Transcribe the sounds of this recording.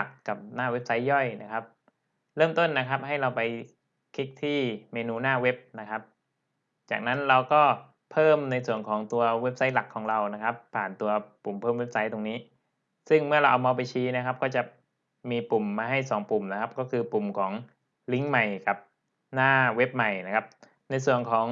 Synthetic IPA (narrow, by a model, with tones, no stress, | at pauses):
la˨˩kːa˨˩p̚naː˥˩we˦˥p̚sa˦˥jːɔ˥˩jna˦˥kʰa˦˥p̚ | ɾɤː˥˩mt̪o˥˩nːa˦˥kʰa˦˥p̚ɦa˥˩jɾa˧wpa˧j | kʰi˦˥k̚t̪ʰiː˥˩meː˧nuː˧naː˥˩we˦˥p̚na˦˥kʰa˦˥p̚ | t͡ɕaː˨˩k̚na˦˥nɾa˧wkɔː˥˩ | pʰɤː˥˩mna˧jsu˨˩ənkʰɔː˩˦ŋt̪u˧ɐwe˦˥p̚sa˦˥jla˨˩kʰːɔː˩˦ŋɾa˧wna˦˥kʰa˦˥pʰːaː˨˩nt̪u˧ɐpu˨˩mpʰɤː˥˩mwe˦˥p̚sa˦˥jt̪o˧ŋniː˦˥ | sɯ˥˩ŋmɯ˥˩ɐɾa˧wʔa˧wmɔː˧p̬a˧jt͡ɕʰiː˦˥na˦˥kʰa˦˥p̚kɔː˥˩t͡ɕa˨˩ | miː˧pu˨˩mːaː˧ɦa˥˩jsɔː˩˦ŋpu˨˩mna˦˥kʰa˦˥p̚kɔː˥˩kʰɯː˧pu˨˩mkʰɔː˩˦ŋ | li˦˥ŋma˨˩jka˨˩p̚ | naː˥˩we˦˥p̚ma˨˩jna˦˥kʰa˦˥p̚ | na˧jsu˨˩ənkʰɔː˩˦ŋ